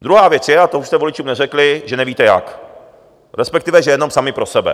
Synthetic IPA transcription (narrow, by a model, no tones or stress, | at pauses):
d̪ɾuɦaːvjɛt͡sjɛat̪ouʃst̪ɛvolɪt͡ʃuːmnɛrɛklɪʒɛnɛviːt̪ɛja̰k | ɾɛspɛkt̪ɪvɛʒɛjɛnomsamɪpɾo̞sɛbɛ̰